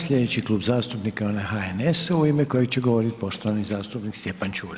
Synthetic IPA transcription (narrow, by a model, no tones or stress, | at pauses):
sʎʲe̞d̪et͡ɕiklˠuːbzaːst̪upnikaonaxaenesuimeko̞jeɡt͡ɕeɡoʋo̞ɾit̪po̞ʃt̪oʋanizaːst̪upnikst̪je̞pant͡ɕuːɾ